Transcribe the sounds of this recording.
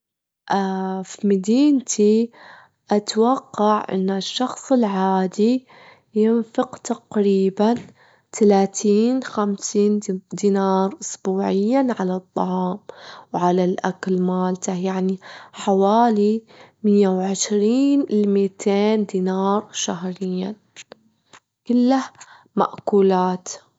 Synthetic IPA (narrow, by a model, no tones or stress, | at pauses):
ʔafimɪd̪iːnt̪ʰi | ʔat̪wɑqːɑʕʔɪ̰nːaʃːɑxsˤɪlʕaːd̪i | jɪnfɪqt̪aqɾiːban | t̪ʰalaːt̪ʰiːnxamsiːnd̪iːnɑːɾˤʔʊsbuːʕɪjːanʕalɑt̪ˤːɑ̰ʕɑːmwʕalalʔakalmaːlt̪ajaʕniħawaːli | mɪjːawʕɪʃɾiːnlmit̪ʰeːnd̪iːnɑːɾˤʃahɾɪjːa | kɪlːah | ma̰ʔkuːlaːt̪